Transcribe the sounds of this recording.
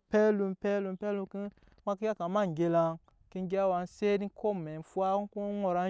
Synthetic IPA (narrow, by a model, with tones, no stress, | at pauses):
pɛ˦lu˧mpɛ˦lu˧˨pɛ˦lu˧˦ki˦ | ma˦ki˦ja˦ka˨ma˦˨ŋ˨ɡe˧la˧n | ke˧ŋ˦ɡe˦a˦wa˨n˦se˦di˦kʰo˦mɛ˨n˨fu˦a˦ku˦ŋo˨ɾa˨˦